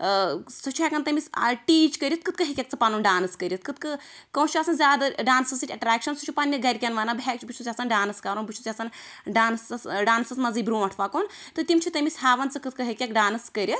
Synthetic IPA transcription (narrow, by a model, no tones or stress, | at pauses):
sɐt͡ʃʰuɦɛkɐnt̪ɐmʲisa̰ʈiːt͡ʃkɐɾʲit̪̚kɨt̪kɨɦɐkʲjɐk̚t͡sɨpanuːnɖaːnskɐɾʲit̪kɨt̪kɨ | kɐ̃wt͡ʃʰuɐsɐnzʲaːd̪ɐɖaːnsɐsɨʈʲɐʈɾaːkʃɐnsut͡ʃʰupɐnʲːɐɡɐɾʲkʲɐnʋaːnabɦɛk̚t͡ʃʰbɨt͡ʃʰusʲɐsɐnɖaːnɨskaːɾoːnbɨt͡ʃʰut͡sʲɐsɐnɖaːnsɐsɖaːnsɐsmɐziːbɾuʈʰʋaːkoːnt̪ɨt̪ʲimt͡ʃʰut̪ɐmisɦaːʋɐnt͡sɨkɨt̪kɨɦɐkʲɐkɖaːnɨskɐɾʲɐt̪